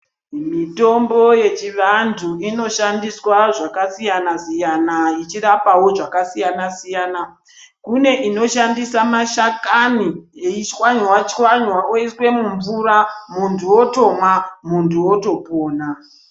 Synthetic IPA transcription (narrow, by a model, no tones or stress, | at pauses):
mito̞mbo̞je̞t͡ʃiʋantʰuino̞ʃandiswaʐakasijanasijanait͡ʃiɾapawo̞ʐakasijanasijana | kune̞ʔino̞ʃandisamaʃakanieit͡ʃwaɲwat͡ʃwaɲwaoiswe̞muɱvuɾamuntʰuwoto̞mwamuntʰuwo̞to̞poːna